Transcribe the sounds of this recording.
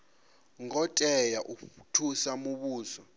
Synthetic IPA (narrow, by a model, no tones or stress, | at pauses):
ŋɔtʼɛjaʔukkutʰusamuɓuːzɔ